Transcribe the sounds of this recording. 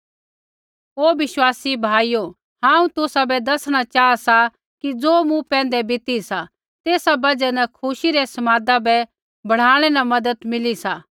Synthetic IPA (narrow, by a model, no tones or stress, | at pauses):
ɦoːʋɪʃwaːsibʱaːijo | ɦãːũt̪ʊsabɛd̪ɐsɽ̃at͡ʃaːasa | kid͡zoːmũpɛ̃ːn̆d̪ɛbɪt̪isa | t̪eːsabɐd͡ʒɛnɐkʰʊʃiɾɛsɐmaːd̪abɛ | bɐɽ̤aːɽ̃ɛnamɐd̪ət̪mɪlisaː